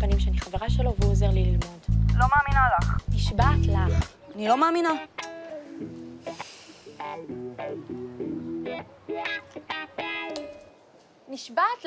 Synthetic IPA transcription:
panimʃeaniχaveʁaʃelovuoze̞ʁlililmo̞dlo̞maːminalaχniʃbaːtlaχ | anilo̞maːmina | niʃbatl

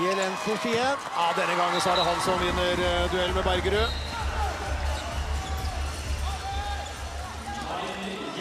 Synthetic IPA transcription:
ɛlɛnfɔfiːən | ɑːd̪ɛnːəɡɑŋːənsɔhɑɖɛɦɑlːsɔnɪnːəɾd̪ʉɛlmɛbæɾɡəɾøː

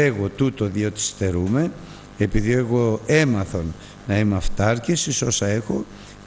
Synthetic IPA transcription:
eɣo̞t̪ut̪o̞ðio̞t̪i̥st̪e̞ɾume̞ | epiðie̞ɣo̞e̞mɐθo̞n | nɐimeɐft̪ɐɾcesiso̞sɐe̞xo̞

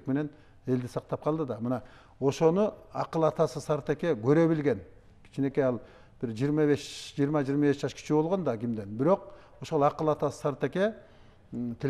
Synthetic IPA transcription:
k̚me̞ne̞n | e̞ld̪isɑq̚t̪ɑp̚qʰɑlˠd̪ɯd̪ɑmɯnɑ | o̞ʃo̞nuɑqɯlˠɑt̪ɑsɯsɑɾt̪e̞ke̞ɡø̞ɾø̞βilɡe̞n | kʰi̥t͡ʃʰine̞keɑlˠ | b̥iɾd͡ʒijːɾmɑβe̞ʃd͡ʒiːɾmɑd͡ʒijːɾmɑβesd͡ʒɑʃkʰi̥t͡ʃʰibo̞lˠʁo̞nd̪ɑɡʲimd̪e̞nbiɾo̞q̚ | oʃo̞lˠɑqɯlˠɑt̪ɑsɯ̥sɑɾt̪e̞ke̞ | t̪ʰe

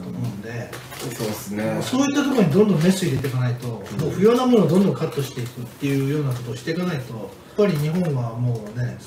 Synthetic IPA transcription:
t̪omõnd̪e̞ | soːsneso̞ːjit̪ːat̪o̞koɲ̟id̪õnd̪õ̞mːe̞sɨid̪e̞t̪ekanait̪o̞moːɸɯ̟jo̞ːnamo̞noːd̪õ̞nd̪õ̞ŋkat̪ːo̞ɕi̥t̪e̞ikɯ̟t̪ːe̞jɯ̟jo̞ːnak̬o̞t̪o̞ːɕi̥t̪e̞kanait̪o̞japːaɾʲiɲ̟iɦõ̞ɰ̃βamo̞ːne̞

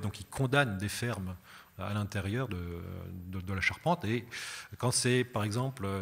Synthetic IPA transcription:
d̪ɔ̃kikʰɔ̃d̪and̪efɛʁma̰lɛ̃t̪eʁjœʁd̪əd̪əd̪əlaʃaʁpɑ̃t̪ekɑ̃sɛpaʁɛɡzɑ̃plø

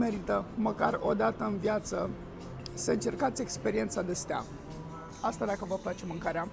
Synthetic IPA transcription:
me̞ɾit̪əməkaro̞d̪at̪əɨnvjat̪sə | səɨnt͡ʃe̞rkat̪sʲe̞kspe̞ɾient̪sad̪est̪ea̰ | ast̪ad̪akəvəplat͡ʃe̞mɨŋkaɾea

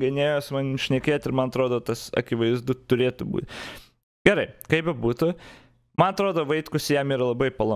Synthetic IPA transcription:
ɡʲɐnʲeːjoːsmɐnʲʃʲnʲɛkʲeːt̪ɪɾmɐnɐt̪ɾoːd̪oːt̪ɐsɐ̰kʲɪʋɐɪzd̪ʊt̪ʊɾʲeːt̪ʊbṵt̪ʲ | ɡʲɛɾɐɪkɐɪpɛbuːt̪ʊ | mɐnɐt̪ɾoːd̪oːʋɐɪt̪kʊsjɛmiːɾɐlˠɐbɐɪpɐlˠɐ

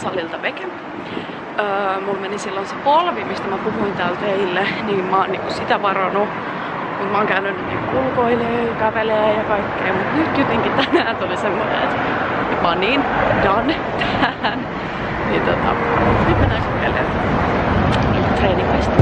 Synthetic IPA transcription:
sɑlilt̪ɑʋekem | əːmulmenisilːonsepolʋimist̪æmæpuhuint̪æːlt̪eilːeniːmmɑːnniːŋkussit̪æʋɑrɑnu | mut̪mɑːŋkæynynːynnḭːkṵulkoileːjɑkæʋeleæjɑkɑikːeːmut̪nyt̪kut̪eŋkit̪ænæːnt̪ulisemːonḛḛt̪ | epɑninjɑne | t̪ːæːn | nit̪ot̪ɑ̰uhuimminækukelḛn | it̪reinimæist̪

